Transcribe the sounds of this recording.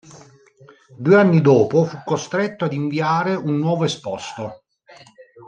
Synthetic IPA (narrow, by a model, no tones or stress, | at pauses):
d̪uːeanːid̪oːpofukːost̪ɾet̪ːoad̪iɱviaːɾeunːwɔːvoespɔst̪o